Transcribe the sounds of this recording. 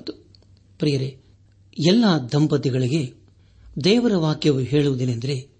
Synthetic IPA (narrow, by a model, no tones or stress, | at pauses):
t̪u | pɾijɐɾe | ɛlːad̪ʱɐmpɐt̪iɡɐɭiɡe̞ | d̪ɛːʋɐɾɐʋaːkjɐʋuɦeːɭuʋud̪inɐnd̪ɐɾe̞